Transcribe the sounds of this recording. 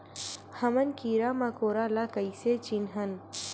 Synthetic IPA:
hɐmɐnkiːɾaːmɐkoːɾalakɐiset͡ʃinɦɐn

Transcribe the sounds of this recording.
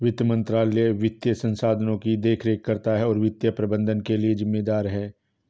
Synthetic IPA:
ʋɪt̪jəmə̃nt̪ɾaːleʋɪt̪jəsɐ̃nsaːd̪ʱənõkid̪eːkʰɾeːkːɐɾt̪aɦɛɔːɾʋɪt̪jəpɾɐbə̃nd̪ʱənkelied͡ʒɪmːeːd̪aːɾɦɛː

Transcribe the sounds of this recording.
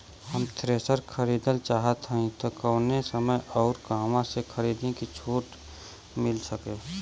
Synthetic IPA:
həmt̪ɾeːsəɾkʰəɾiːd̪əlt͡ʃaːɦət̪ɦəĩt̪okəːnesəməjɔːɾkãːmãsekʰəɾiːd̪ẽkit͡ʃʰuːʈ | mɪlsəke

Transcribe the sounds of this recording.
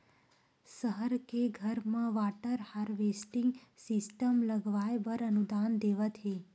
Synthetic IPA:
səɦəɾkeɡʱəɾmãʋaʈəɾhaɾʋesʈĩŋɡsisʈəmləɡʋajbəɾənud̪and̪eʋət̪ʰe

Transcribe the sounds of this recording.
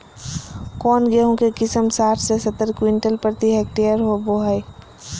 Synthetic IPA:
kɔːnɡeɦõkekɪsəmsaːʈʰsesɐt̪əɾkwɪɳʈəlpəɾt̪iɦɛːk̚ʈijəɾɦoboɦai

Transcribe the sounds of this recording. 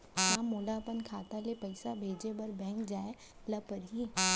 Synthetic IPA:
jãːmoːlapənkʰaːt̪alepɐɪsabʱeːd͡ʑebɐɾbɛ̃ːŋkd͡ʒaːe | lɐpəɾɦiː

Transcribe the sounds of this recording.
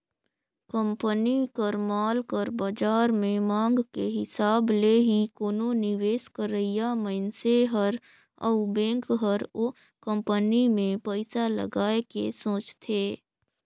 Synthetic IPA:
kə̃mpənikəɾmaːlkəɾbad͡ʒaːɾmẽmãːŋɡkeɦɪsaːbleɦikoːnonɪʋeːskəɾəijaməɪnseɦəɾ | ə̰ʊbɛ̃ːŋkɦəɾo | kə̃mpənimẽpəɪsalə̰ɡaːekḛsõːt͡ʃt̪ʰeː

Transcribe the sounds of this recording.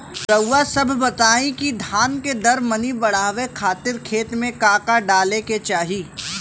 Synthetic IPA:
sɐwːasɐbʱbɐt̪aːĩkid̪ʱaːnked̪ɐɾmɐnibɐɽ̤aːʋekʰaːt̪ɪɾkʰeːt̪mẽkaːkaɖaːleket͡ʃaːɦiː

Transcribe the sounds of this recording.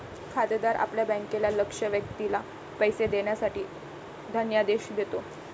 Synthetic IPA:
kʰad̪əd̪aɾʔa̰pljabə̃ŋkelaləkʂəʋjək̚t̪ila | pəjsed̪eɳjasaʈiː | d̪ʱənjad̪eɕd̪et̪o

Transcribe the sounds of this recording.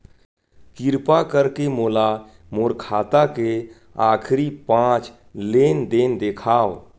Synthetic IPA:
kɪɾpakəɾkemoːla | moːɾkʰaːt̪ake | aːkʰɾipãːt͡ʃ | leːnd̪eːnd̪ekʰaːo

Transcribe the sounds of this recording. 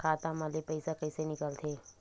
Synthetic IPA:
kʰaːt̪amalepəɪsakəɪsenɪkəlt̪ʰeː

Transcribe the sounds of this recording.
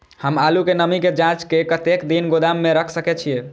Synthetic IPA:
həmalukenəmiked͡ʒãt͡ʃkekət̪ekd̪inɡod̪amːeɾəkʰsəkɛt͡ʃʰie

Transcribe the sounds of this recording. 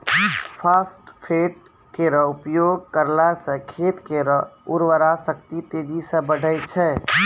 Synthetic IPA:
pʰaːsʈpʰeːʈ̚ | keɾəʊpjoːɡkəɾlasəkʰeːt̪keɾəɦʊɾʋəɾasəkt̪it̪eːd͡ʒisə̃bəɖʱəjt͡ʃʰɛ

